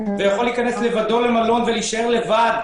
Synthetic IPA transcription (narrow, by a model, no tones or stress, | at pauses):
vejaχo̞liːkanesle̞vad̪o̞le̞malo̞nveliʃae̞ʁle̞vad̪